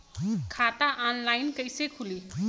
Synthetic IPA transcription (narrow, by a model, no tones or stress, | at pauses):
kʰat̪aʔanlaɪnkəjsekʰuli